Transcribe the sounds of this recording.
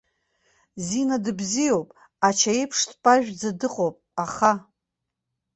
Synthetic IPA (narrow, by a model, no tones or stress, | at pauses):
zinadɨbzijowpʼ | at͡ʃʰaejpʰʂtpʼaʒᶣd͡zadɨqʼowpʼaχa